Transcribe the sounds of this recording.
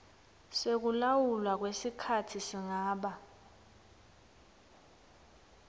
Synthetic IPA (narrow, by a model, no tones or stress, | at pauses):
sek̬ulawulwak̬wesikʰatʰisiŋaːɓa